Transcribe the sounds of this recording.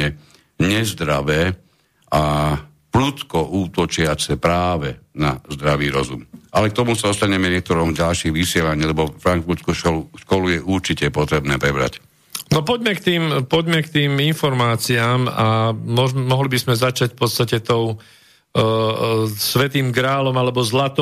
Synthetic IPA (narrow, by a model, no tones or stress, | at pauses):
ɛ | ɲɛzd̪ɾaʋɛː | ʔa | plut̪kɔʔuːt̪ɔt͡ʃɪat͡sɛpɾaːʋɛnazd̪ɾaʋiːɾɔ̰zṵmʔalɛkt̪ɔmusaɔst̪aɲɛmɛɲɪɛk̚t̪ɔɾɔːmɟalʃiɣʋisɪɛlaɲiːlɛbɔfɾaŋt͡suːskuʃkɔlujɛʔuɾt͡ʃicɛpɔt̪ɾɛbnɛːpɾɛbɾa̰c | nɔpɔɟmɛkt̪iːmpɔɟmɛkt̪iːminfɔɾmaːt͡siaːmamɔmɔɦlibizmɛzat͡ʃacfpɔt̪st̪acɛt̪ɔʊ | sʋɛt̪iːmɡɾaːlɔmalɛbɔzlat̪